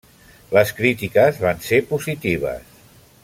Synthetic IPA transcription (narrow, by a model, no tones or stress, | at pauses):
ləskɾit̪ikəzβansepuzit̪iβə̰s